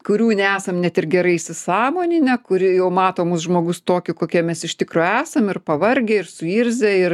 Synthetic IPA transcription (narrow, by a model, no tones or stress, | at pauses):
kʊɾʲuːnʲɛæːsɐmnʲɛt̪ɪrɡʲɛɾɐɪɪsʲɪsɑːmoːnʲɪnʲɛkʊɾʲɪjɛʊmɑːt̪oːmʊsʒmoːɡʊst̪oːkʲʊkoːkʲiɛmʲɛsɪʃʲt̪ʲɪkɾoːæːsɐmɪrpɐʋɐɾʲɡʲɛɪrsʊiːɾʲzʲɛɪr